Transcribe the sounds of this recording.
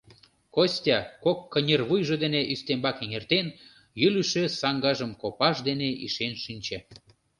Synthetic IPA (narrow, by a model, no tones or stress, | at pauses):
kosʲtʲɑkokːənʲerβujʒĕd̪eneʔyst̪embɑkeŋert̪en | jylyʃesɑŋɡɑʒəmkopɑʃd̪eneʔḭʃenʃynʲt͡ɕĕ